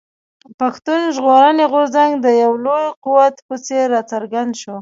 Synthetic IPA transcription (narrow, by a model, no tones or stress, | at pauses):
paxt̪unʒɣoɾəneɣʊɾzaŋɡd̪əjawlojquwat̪pət͡seɾːɑt͡saɾɡand̪ʃo